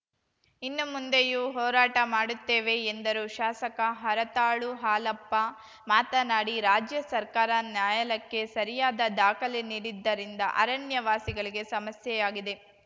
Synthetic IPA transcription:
inːumund̪ejuːɦɔːɾaːʈɐmaːɽut̪ːeːʋe̞ːnd̪ɐɾuʃaːsɐkɐɦɐɾɐt̪aːɭuɦaːlɐpːɐ | maːt̪ɐnaːɽiɾaːd͡ʒjɐsɐɾkaːɾɐnjaːjɐlɐkːe̞sɐɾijaːd̪ɐd̪aːkɐleniːɽid̪ːɐɾind̪ɐ̰ʔɐɾɐɳjɐʋaːsiɡɐɭiɡe̞sɐmɐsjɛjaːɡid̪e̞

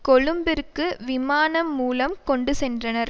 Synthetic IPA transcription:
kɔɭɯmbɪɾkːɯʋɪmaːnɐmːuːlɐmkɔɳɖɯsɛndrɐnɐɾ

